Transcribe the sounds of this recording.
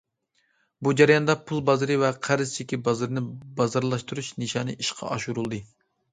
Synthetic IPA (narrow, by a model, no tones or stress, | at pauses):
bud͡ʒɛɾjɑnd̪ɑpʰulˠbɑzɨɾɨvɛqʰæɾɨzt͡ʃʰikʲibɑzɨɾɨnɪbɑzɑɾlˠɑʃt̪uɾuʃnɨʃɑːnɨʔiʃqʰɑ̰ʔɑʃuɾulˠd̪ɨ